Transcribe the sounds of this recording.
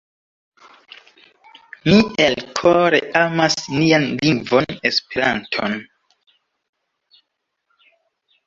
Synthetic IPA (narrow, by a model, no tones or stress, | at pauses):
mielkʰoɾḛʔamasnianliŋɡvo̞ne̞speɾa̰ntʰo̰n